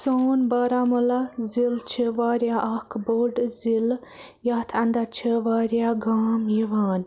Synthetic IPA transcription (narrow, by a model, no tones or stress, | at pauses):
soːnbaːɾamɐlazilt͡ʃʰəʋaːɾjaʔɐkʰboɖzil | jaːt̪ʰɐnd̪ɐɾt͡ʃʰəʋaːɾjaɡaːmjiʋaːn